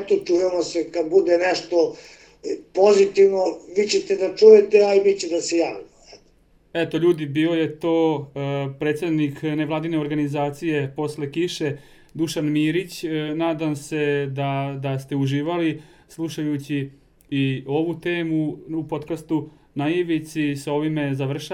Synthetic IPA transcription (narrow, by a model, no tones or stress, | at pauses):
ɛt̪ot͡ʃujemosekad̪bud̪enɛʃt̪o | pozit̪iʋnoʋit͡ɕet̪ed̪at͡ʃujet̪eaiʋiːt͡ɕed̪asejaːʋnoɛt̪o̥ | ɛt̪o̞ʎuːd̪ibiːloje̞t̪o̞ː | pɾet̪sed̪nikneʋlaːd̪ineo̞ɾɡanizaːt̪sije̞po̞sle̞kiʃe̞ | d̪uʃanmiːɾit͡ɕnaːd̪amse̞d̪ad̪ast̪e̞uʒiːʋalislˠuʃajut͡ɕiː | o̞ʋut̪e̞ːmuupo̞t̪kast̪u | najiʋisisao̞ʋime̞zaʋr̩ʃa